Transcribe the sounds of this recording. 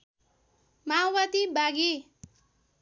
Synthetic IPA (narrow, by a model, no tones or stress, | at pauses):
mawat̪ibaɡi